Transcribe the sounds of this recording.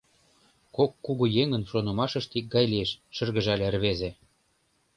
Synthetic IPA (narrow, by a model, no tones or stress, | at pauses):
kokːuɣujeŋə̆nʃonɤ̆mɑʃɤ̆ʃt̪ik̚ɡɑjlʲieʃʃə̆rɣə̆ʒælʲerβezĕ